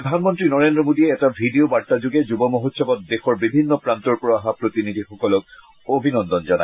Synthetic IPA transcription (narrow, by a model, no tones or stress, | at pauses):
ɾod̪ʱanmɔnt̪ɹinɔɹend̪ɹɔmodieɛtabʱidiobaɹt̪ad͡ʑoɡed͡ʑubɔmoɦot̪sʃʰɔbɔt̪̚d̪exɔɹbibʱinːɔpɹant̪ɔɹpuɹaɦapɹot̪inid̪ʱixɔkɔlɔk | obʱinɔnd̪ɔnd͡ʑɔna̰